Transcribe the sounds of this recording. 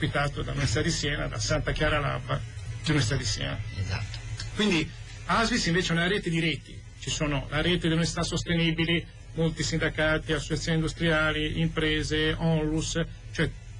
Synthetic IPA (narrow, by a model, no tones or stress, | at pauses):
pit̪aːt̪od̪a̰unuisit̪ad̪isjɛːna̰d̪a̰sant̪ak̟jaːɾala̰bad̪iunisit̪ad̪isjɛ̰ːna̰eza̰t̪ːo̥kwind̪i | azvisiɱveːt͡ʃeɛunalaɾɛːt̪ed̪iɾɛːt̪ḭ | t͡ʃisoːnolaɾɛːt̪ed̪elunisit̪asːost̪eniːbili | molt̪isind̪akaːt̪iasːot͡ʃat̪sjoːnind̪ust̪ɾiaːliimpɾɛːzeɔlus | t͡ʃoɛ